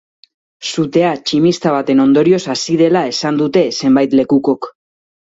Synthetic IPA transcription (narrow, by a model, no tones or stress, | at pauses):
sut̪e̞at͡ʃimist̪aβ̞at̪e̞no̞nd̪o̞ɾio̞sasiðe̞lae̞sand̪ut̪e̞se̞mbajt̪le̞kuko̞k